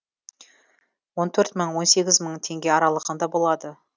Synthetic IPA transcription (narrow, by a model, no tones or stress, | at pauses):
wo̞nt̪ʰɵɾt̪məɴwo̞nse̞ɡʲɪzməɴt̪ʰe̞ŋɡʲe̞ɑɾɑlˠəʁənd̪ɑbo̞lˠɑd̪ə